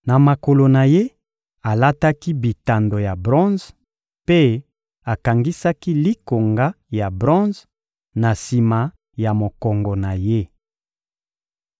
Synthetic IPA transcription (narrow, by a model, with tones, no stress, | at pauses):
na˨ma˨ko˨lo˨na˨je˦ | a˨la˦ta˦ki˦bi˨ta˨ndo˨ja˨bʁɔ̃˦z | pe˦ | a˨ka˨ŋɡi˦sa˦ki˦li˦ko˨ŋɡa˦ | ja˨bʁɔ̃˦z | na˨si˨ma˨ | ja˨mo˨kɔ˨ŋɡɔ˨na˨je˦